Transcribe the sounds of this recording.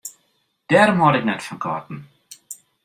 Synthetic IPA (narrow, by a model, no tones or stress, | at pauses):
d̥ɛɾmɑɾɪknɛtfɔnkʰɑ̰ːtn̩